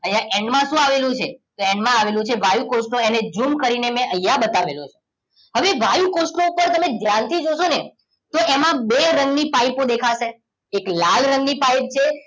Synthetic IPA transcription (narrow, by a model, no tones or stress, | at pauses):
əjaʔẽɳɖmãʃũaʋelũt͡ʃʰet̪oẽɳɖmãːʋelũt͡ʃʰeʋajukosʈoened͡ʒumkəɾinemɛ̃ʔəjːabət̪aʋelot͡ʃʰe̥ | ɦəʋeʋajukosʈoupəɾt̪əmẽd̪ʱjant̪ʰid͡ʒoʃone | t̪oemãbeɾə̃ŋɡnipajpõd̪ekʰaʃe | eklalɾə̃ŋɡnipajp̚t͡ʃʰe